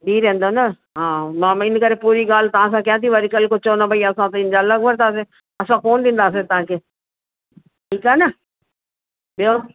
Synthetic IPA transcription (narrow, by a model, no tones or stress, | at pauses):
d̪ʱiːɾẽːn̆d̪onɐ | ɦãːmãːɪn̆kɐɾepuːɾiɡaːl̤ɪt̪ɐʋ̤ãs̬ãkijãːt̪ʰiʋɐɾikəlkʊt͡ɕoonɐbʱɐiɐsãt̪ɐɪnd͡ʑaːɐləɡʋʱɐɾt̪aːs̬e | ɐsãkoːnd̪ĩːn̆d̪aːs̬et̪ɐɦãːkʰeː | ʈʰiːkaːnɐ | ɓijo